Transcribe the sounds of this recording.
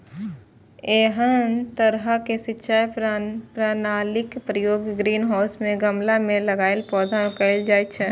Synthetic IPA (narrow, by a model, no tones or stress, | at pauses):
eːɦənt̪əɾɦəkesɪtːʃʰaːjpɾaːnaːlɪkpɾəjoːɡɡɾiːnɦaːsmẽɡəmlamẽləɡaːɪlpɔːd̪ʱãkəɪld͡ʒaːet͡ʃʰɛ